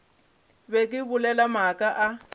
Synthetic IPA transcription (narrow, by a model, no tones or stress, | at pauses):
βɛk̬ʼɪβʊlɛlamakʼaʔa